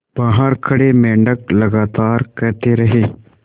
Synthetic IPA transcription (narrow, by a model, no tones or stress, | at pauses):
b̥aːɦaɾkʰɐɽemẽːɳɖəklɐɡaːt̪aːɾkɐɾt̪eɾɐɦeː